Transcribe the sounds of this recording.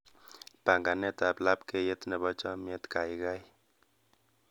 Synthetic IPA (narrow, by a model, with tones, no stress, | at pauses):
pa˨ŋɡa˨nɛ˦ta˨pla˦pke˦je˦tnɛ˨bɔ˦t͡ʃɔ˦mje˦tka˨ɪ˦ka˦j